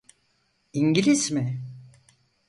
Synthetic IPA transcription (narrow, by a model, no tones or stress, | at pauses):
iɲɟilʲizmɪ